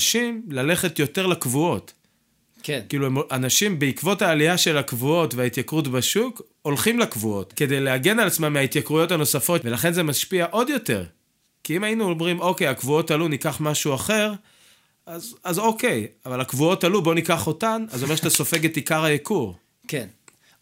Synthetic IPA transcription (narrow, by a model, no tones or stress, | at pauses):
ʃimlale̞χetjo̞teʁlakvuo̞t | kkiːluemoʔanaʃimbeikvo̞taːlijaʃe̞lakvuo̞tveait̪jakʁut̬baʃuk | o̞lχimlakvuo̞tke̞de̞jleaɡe̞nalat͡smamːeait̪jakʁujo̞thano̞safo̞tve̞laχe̞nze̞maʃpiaʔo̞djo̞te̞̰ʁ | kiimainuomʁimo̞ke̞jakvuo̞talunikaχmaʃuaχe̞ʁ | azazo̞ke̞javalakvuo̞talubo̞nikaχo̞tanazomeʃat̪aso̞fe̞ɡe̞tikaʁhajekuʁ | ken